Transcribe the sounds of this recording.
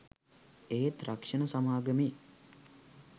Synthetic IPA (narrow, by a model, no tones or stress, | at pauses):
eːet̪rakʂənəsamaːɡəme